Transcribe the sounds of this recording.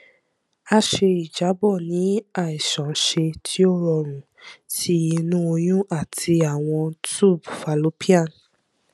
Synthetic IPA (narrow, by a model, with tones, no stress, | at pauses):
a˧ʃe˧i˨d͡ʒa˨˦bɔ˦˨nĩ˨˦a˦˨i˨ʃɔ̃˨˦ʃe˧tʰi˦o˦ɾɔ˧ɾ̃ũ˨ | tʰi˦i˧nũ˦o˧jũ˦a˦˨tʰi˧a˨w̃ɔ̃˧tu˦˨bfa˨lo˨˦pi˦a˦˨n